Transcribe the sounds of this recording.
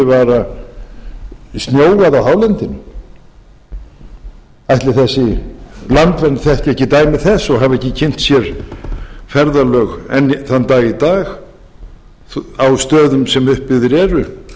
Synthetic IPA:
ɪvaːɾa | st̪njoːwaðawɦawlɛnt̪ɪnʏ | ajht̪lɪθɛsːɪlant̪vɛnt̪θɛhcɛhcːɪt̪aːjmɪθɛsːɔɣɦavɛhcːɪcʰɪn̥t̪sjɛɾ̥ | fɛɾðalœːɣɛ̰nːθanːt̪aːjit̪aːx | awst̪œːðʏmsɛmʏhpːɪɣðɪɾɛːɾʏ

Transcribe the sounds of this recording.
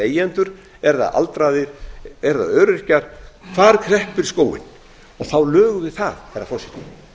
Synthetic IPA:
eːjɛnt̪ʏɾ̥ | ɛɾða̰ðʔa̰lt̪ɾaðɪɾ̥ɛɾða̰ðœːɾɪ̥hcaɾ̥fʰvaːɾkʰɾɛhpɪɾ̥skoːwɪ̰n | ɔθawlœːɣʏvɪðθaðhɛrɾafɔɾsɪ̥t̪nɪ

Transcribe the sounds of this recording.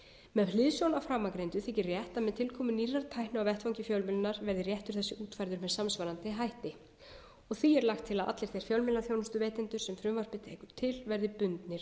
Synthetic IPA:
mɛðlɪðsjɔwnawfɾaːmːakɾejnt̪ʏθehcɪrjɛht̪amɛðt̪ʰɪlkʰɔːmʏniːrːaɾt̪ʰaːjhnʏawvɛht̪vawɲcɪfjœwlmɪlʏnaɾvɛɾðɪrjɛht̪ʏɾ̥θɛsːɪʔuːt̪fajɾðʏɾmɛðsamsvaɾant̪ɪɦajht̪ɪ | ɔɣθiɛɾlaxt̪ʰːɪlaðʔa̰t̪lɪɾ̥θejɾ̥fjœwlmɪlaθjownʏst̪ʏvɛːt̪ɪnt̪ʏɾ̥sɛmfɾʏmvaɾ̥pɪt̪ʰejkʏɾt̪ʰɪlvɛɾðɪpʏnt̪nɪɾ̥

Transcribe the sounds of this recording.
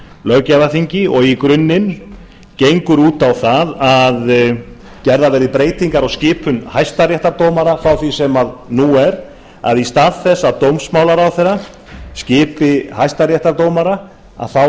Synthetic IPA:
lœɣcaðaθiɲcɪɔɣikɾʏnːɪn | cejŋkʏɾuːt̪awθaðað | cɛɾðavɛːɾɪðpɾeːjt̪iŋkaɾawscɪːpʰʏnhajst̪arjɛht̪aɾt̪oːwmaɾafɾawθisɛmaðnuɛɾ | a̰ðist̪aːðθɛsːaðt̪owmsmaːwlaɾawθɛrːa | scɪːpɪhajst̪arjɛht̪aɾt̪oːwmaɾa | a̰θaw

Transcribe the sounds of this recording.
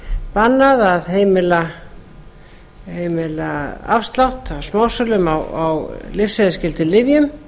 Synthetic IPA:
panːaðaðɦeːjmɪla | heːjmɪlaa̰fst̪lawht̪awsmaːwsœlʏmawawlɪfseðɪscɪlt̪ʰɪlːɪvjʏm

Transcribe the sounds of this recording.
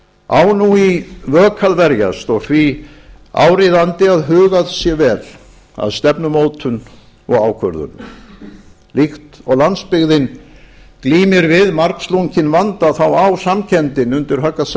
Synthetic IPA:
a̰ːwnuivœːkʰaðvɛɾja̰st̪ɔɣθvi | a̰ːwɾɪðant̪ɪaðɦʏːɣaðsjɛvɛːl | a̰ðst̪ɛpnʏmoːwt̪ʰʏn | ɔ̰ɣaːwkʰvœɾðʏ̰n | lixt̪ɔɣlanspɪɣðɪnkliːmɪɾvɪðmaɾksluɲcɪnvant̪aθawawsamcʰɛnt̪ɪnʏnt̪ɪɾ̥ɦœkːas

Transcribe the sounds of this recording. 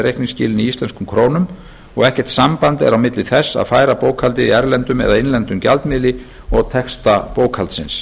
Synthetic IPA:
rejhkniŋscɪ̰ːlɪniist̪lɛnskʏmkʰɾoːwnʏm | ɔɣɛhcɛ̥t̪sampant̪ɛ̰ɾawmɪt̪lɪθɛsːa̰ðfaːjɾapoːwkʰhalt̪ɪiɛɾlɛnt̪ʏmɛ̰ðaðɪnlɛnt̪ʏmca̰lt̪mɪlɪ | ɔɣt̪ʰɛkst̪apoːwkʰhalt̪sɪns

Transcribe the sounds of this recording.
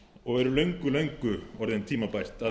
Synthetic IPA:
ɔɣɛɾʏlœɥŋkʏlœɥŋkʏɔɾðɪnt̪ʰiːmapajr̥t̪a

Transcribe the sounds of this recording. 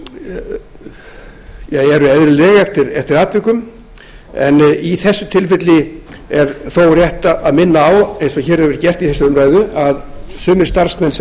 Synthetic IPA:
jaɣɛɾʏɛðɾɪlɛːɣaɛft̪ɪɾɛft̪ɪɾaːt̪vɪkʏm | ɛ̰niθɛsːʏt̪ʰɪlfɪt̪lɪɛɾθoːwrjɛht̪aaðmɪnːaːwejnsɔɣçɛːɾɛvɪɾt̪cɛr̥t̪iθɛsːʏʏmɾaːjðʏaðsʏːmɪ̥st̪aɾ̥smɛns

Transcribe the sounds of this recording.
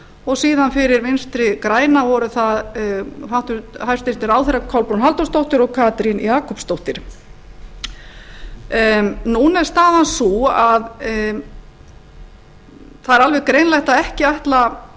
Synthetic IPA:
ɔɣsiːðanfɪɾɪɾvɪnst̪ɾɪkɾaːjnavɔɾʏθaðfawht̪ʏhaj̥st̪ɪst̪ɪɾaːwθejɾakʰɔwlpɾunɦalt̪ɔst̪owht̪ɪɾɔɣkʰaːt̪ɾinjaːkʰɔpst̪owht̪ɪɾ̥ | nunɛɾ̥st̪aːðansuað | θaðɛɾalvɛɣkɾeːjnlɛjht̪aðɛhcɪajht̪la

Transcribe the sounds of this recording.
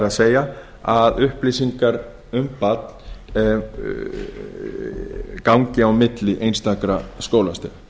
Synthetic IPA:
ɾaðseːja | aðʏhplisiŋkaɾ | ʏmpat̪n̥ | kawŋcɪawmɪt̪lɪʔejnst̪akɾaskoːwlast̪ʏɾ

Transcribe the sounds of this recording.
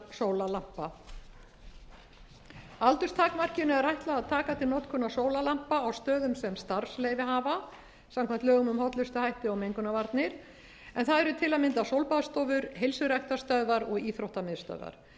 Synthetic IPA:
soːwlalam̥pa | alt̪ʏ̥st̪ʰaːkmar̥cɪnʏɛɾajht̪laðaðt̪ʰaːkat̪ʰɪlnɔt̪kʰʏnasoːwlalam̥paːwst̪œːðʏmsɛmst̪aɾ̥slejvɪɦaːva | samkʰɛmt̪œːɣʏmʏmhɔt̪lʏst̪ʏhajht̪ɪɔɣmejŋkʏnavaɾt̪nɪɾ | ɛnθaðɛɾʏt̪ʰɪlaðmɪnt̪asowlpaðst̪ɔːvʏɾɦejlsʏɾajht̪ast̪œðvaɾɔɣiːθɾowht̪amɪðst̪œ̰ðva̰ɾ̥

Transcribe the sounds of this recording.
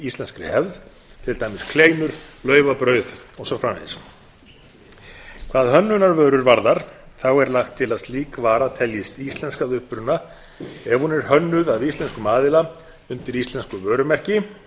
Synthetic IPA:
ist̪lɛnskɾɪ̰hɛvð | t̪ʰɪlt̪ʰajmɪskʰleːjnʏɾ̥lœːɥvapɾœːɥðɔɣsɔfɾaːwnḛns | kʰvaːðhœnːʏnaɾvœːɾʏɾvaɾðaɾ̥θawɛɾlaxt̪ʰːɪlaðst̪liːkvaːɾat̪ʰɛljɪst̪ist̪lɛnskaðʏhpɾʏnːa | ɛvhunɛɾ̥hœnːʏðavist̪lɛnskʏmaːðɪla | ʏnt̪ɪɾist̪lɛnskʏvœːɾʏmɛr̥cɪ

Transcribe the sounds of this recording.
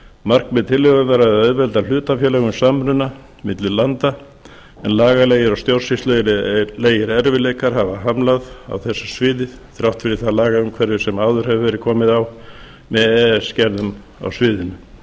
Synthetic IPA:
mar̥kmɛðt̪ʰɪlːɛɣʏmaɾaɛðœðvɛlt̪al̥ʏːt̪afjɛːlɛɣʏmsamɾʏnːa | mɪt̪lʏlant̪a | ɛnlaːɣaleːjɪɾawst̪jowɾrsist̪lœjɾleːjɪɾɛɾvɪleːjkaɾ̥havaɦamlaða̰wθɛsːḁsvɪːðɪð̥θɾawht̪fɪɾɪ̥θalaːɣaʏmkʰvɛɾðɪsɛmaːwðʏɾ̥hɛvʏvɛːɾɪðkʰɔːmɪðaw | mɛðɛscɛɾðʏm | a̰wsvɪːðɪnʏm

